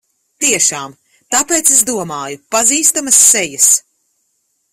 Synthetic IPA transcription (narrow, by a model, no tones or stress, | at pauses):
t̪iɛʃaːm | t̪apeːt̪seszd̪uɔmaːjupaziːst̪amɐsːɛjɐs